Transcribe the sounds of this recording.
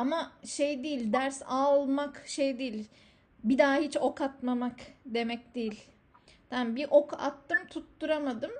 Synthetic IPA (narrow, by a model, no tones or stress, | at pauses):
amaʃejd̪ejilʲd̪æɾsalˠmakʃejd̪ejilʲ | bid̪aːhit͡ʃo̞kʰat̪mamakd̪e̞mɛc̚d̪ejilʲ | d̪ænbiʔo̞ka̰t̪ːɯmt̪ʰut̪ːuɾamad̪ɯm